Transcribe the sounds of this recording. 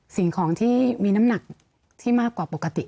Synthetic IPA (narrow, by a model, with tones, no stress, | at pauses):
si˨˩ŋkʰɔː˩˦ŋt̪ʰiː˥˩miː˧na˦˥mna˨˩k̚ | t̪ʰiː˥˩maː˥˩kːwaː˨˩po˨˩kːa˧t̪i˨˩ʔ